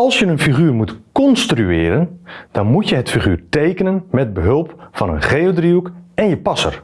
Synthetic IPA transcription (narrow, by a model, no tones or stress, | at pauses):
ɑlˠsjənənfiχyːrmutkɔnstryɪːɾənd̥ɔnmutjəɦətfiχyːrtejkənənmɛd̚bəɦølˠpfɑnə̰nχeodriukɛnjəpɑsə̰r